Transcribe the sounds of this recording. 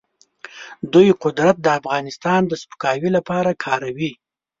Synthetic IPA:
d̪ujqʊd̪ɾat̪̚d̪əafɣɑnɪst̪ɑnd̪əspʊ̥kɑwilapɑɾakʰɑɾawi

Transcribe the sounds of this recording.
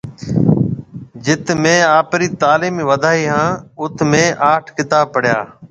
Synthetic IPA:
d͡ʒɪt̪mẽːaːpɾiːt̪aːliːmiːʋəd̪ʱaːɦiːɦãːʊt̪ʰmẽːʔaːʈʰkɪt̪aːb̚pəɽ̤ja̰ː

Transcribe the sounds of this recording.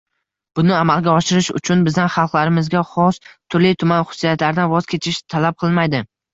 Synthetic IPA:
b̥ʊnɪamalˠɡʲaɒʃɪɾɪʃʊ̰t͡ʃʰʊnbɪzd̪anχɑlˠqlaɾɪmɪzɡʲaχɒst̪ʰʊɾlɪjt̪ʰʊmanχʊ̥sːijat̪laɾɪd̪anvɒz̥kʲe̞t͡ʃʰɪʃt̪ʰalap̚qʰɨlˠmajd̪ɪ

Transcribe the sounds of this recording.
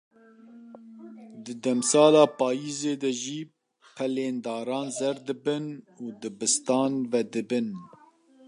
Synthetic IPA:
d̪ɨd̪ɛmsɑːlɑːpɑːjiːzeːd̪ɛʒiː | pʰɛleːnd̪ɑːɾɑːnzɛɾd̪ɨbɨn | uːd̪ɨbɨst̪ɑːnvɛd̪ɨbɨn

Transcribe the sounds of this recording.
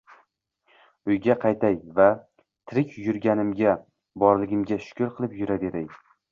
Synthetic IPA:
ʊjɡʲaqʰɑjt̪ʰajva | t̪ʰɪɾɪkʲʰjʊɾɡʲanɪmɡʲa | bɒɾlɪɡʲɪmɡʲaʃʊ̥kʲʊɾqʰɨlˠɪpjʊɾad̪e̞ɾaj

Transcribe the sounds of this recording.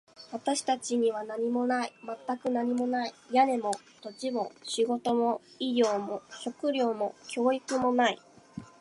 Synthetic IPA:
βat̪aɕi̥t̪at͡ɕiɲ̟iβ̞anaɲ̟imo̞naimat̪ːakɯ̟naɲ̟imo̞naijane̞mo̞ | t̪o̞t͡ɕimo̞ɕiɡo̞t̪o̞mo̞ | iɡʲo̞ːmo̞ɕo̞kɯ̟ɾʲo̞ːmo̞kʲʰo̞ːikɯ̟mo̞nai

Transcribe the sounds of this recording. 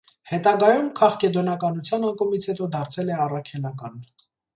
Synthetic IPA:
hɛt̪ɑɡɑjumkʰɑχkɛd̪ɔnɑkɑnut͡sʰjɑnɑŋkɔmit͡sʰhɛt̪ɔd̪ɑɾt͡sʰɛlɛɑrɑkʰɛlɑkɑn

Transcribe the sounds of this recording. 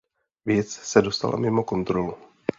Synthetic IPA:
vjɛt͡ssɛdo̞st̪a̰la̰mɪmo̞ko̞nt̪ɾolu

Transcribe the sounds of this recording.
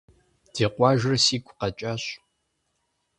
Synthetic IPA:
d̥eːqʷɑːʒɪrsiːkʷʰʼqɐt͡ʃʼaɕ

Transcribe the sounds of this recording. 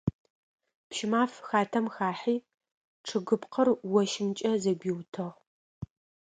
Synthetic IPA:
pʃɪmaːfxaːtʰɐmxaːħiː | ʈ͡ʂʰɨɡɨpqʰərwɔʃɪmt͡ʃʼɐzɐɡʷiːwtʰɐʁ

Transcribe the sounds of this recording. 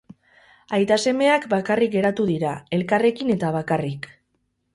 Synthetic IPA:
ajt̪ase̞me̞akbakarikɡe̞ɾat̪uðiɾae̞lkare̞kine̞t̪aβ̞akarik

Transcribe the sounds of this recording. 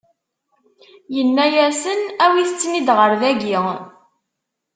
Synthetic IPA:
jənːæjæsənæwiθət͡sːnid̪ʁəɾðæɡi

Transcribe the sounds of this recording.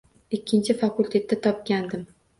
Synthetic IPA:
ɪkʲʰːɪnt͡ʃʰɪfakʰʊlʲt̪ʰe̞t̪ːat̪ʰɒp̚ɡʲand̪ɪm

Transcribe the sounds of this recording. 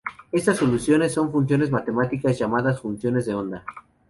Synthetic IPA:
e̞st̪asːo̞lusjo̞nesːo̞ɱfunsjo̞ne̞zmat̪e̞mat̪ikazʝamaðasfunsjone̞zðeo̞nd̪a

